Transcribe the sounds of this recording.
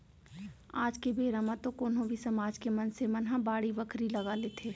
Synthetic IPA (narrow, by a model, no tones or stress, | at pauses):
aːd͡ʒkebeːɾamãt̪okoːnɦõbʱisɐmaːd͡ʒkemɐnsemɐnɦãbaːɽiʋəkʰɾilɐɡaleːt̪ʰeː